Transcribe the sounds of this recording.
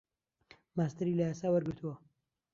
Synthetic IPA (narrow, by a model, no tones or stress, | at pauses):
maːst̪ɐɾilɐjaːsaːwɐɾɡɨɾt̪ʰuwɐ